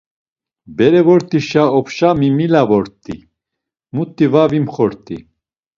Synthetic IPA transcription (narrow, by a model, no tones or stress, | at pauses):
bɛɾɛvɔɾt̪ʼiʃaɔpʰʃamimilavɔɾt̪ʼḭ | mut̪ʼːivavimχɔɾt̪ʼḭ